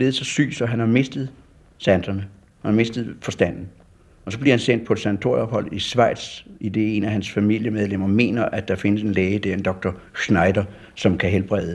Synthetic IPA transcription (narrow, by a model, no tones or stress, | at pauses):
le̝ð̩ˠsɒ̽sy̰ːsɒ̽ɦænhɑ̈me̝sd̥əð̩ˠ | sænd̥ɐnə | hænɑ̈me̝sd̥ð̞̩ˠfɒ̽sd̥æn̰n̩ | ɒ̽sɒ̽b̥liɐhænsen̰d̥̚pʰɒed̥sænæt͡sʰo̝ɐ̰jiɒ̽b̥hɒ̽l̰ˠisʋɑ̈ɪ̰d̥sid̥e̝̰ːe̝næɦænsfæmil̰jəmeð̞ˠlem̰ɐme̝̰ːnɐʔæd̥ɑ̈fe̝nəse̝nleːɪəd̥æɐ̰end̥ɒ̽ɡ̥̚d̥ɐ | snɑ̈ɪd̥ɐ | sɒ̽mkʰæɦelb̥ʁɛðˠə